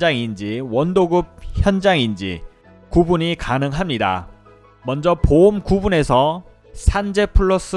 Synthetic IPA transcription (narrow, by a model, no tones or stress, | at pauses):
d͡ʑaŋind͡ʑiwʌndoɡɯp̚çjʌnd͡ʑaŋind͡ʑḭ | kubuɲikanɯŋɦamɲida̰ | mʌnd͡ʑʌpomkubune̞sʰʌ | sʰand͡ʑe̞pʰɯɭːos͈ɯ